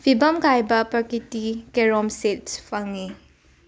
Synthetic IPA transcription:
pʰibɐmkajbɐpɐkitikeɾɔmsetspʰɐŋi

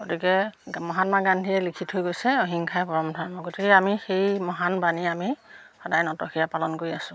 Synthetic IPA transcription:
ɡotikɛmɔɦatmaɡandʱiɛlikʰithɦojɡojsɛoɦiŋkʰajɛpɔɹɔmdʱaɹmɔɡotʰikɛamixejmɔɦanbaniamixɔdajnɔtɔxʰijapalɔnkoɹiasʊ̃

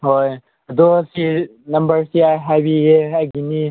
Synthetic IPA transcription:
ɦoj | d̪osinɐmbəɾsiajɦabijeɐɡini

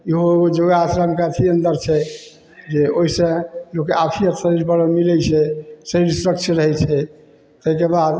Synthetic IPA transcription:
iɦood͡ʒoɡasɾamkat̪ʰiənd̪əɾt͡ʃʰɛ | d͡ʒeoisẽlokeapʰiət̪səɾid͡ʒbəɽəmilɛt͡ʃʰɛseɽisuɾək̚t͡ʃʰəɾəɦɛt͡ʃʰɛ | t̪əikebad̪

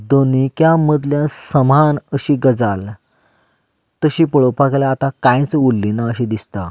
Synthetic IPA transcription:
d̪onikjaməd̪ljãsəmanəɕiːɡəd͡zal | t̪əɕiːpəɭopaklaːt̪akãj̃t͡səulːinaəɕiːd̪ist̪a̰

